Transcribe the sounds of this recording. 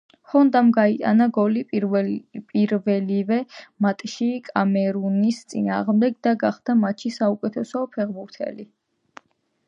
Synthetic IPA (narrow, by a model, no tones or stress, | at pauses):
χɔnd̪amɡait̪ʼa̰naɡɔlipʼ | pʼiɾvɛlivɛmat̪ʼʃikʼamɛɾunist̪sʼḭna̰ːʁmd̪ɛɡd̪aɡaχd̪amat̪ʃisaukʼɛt̪ʰɛsɔpʰɛʁbuɾt̪ʰɛ̰li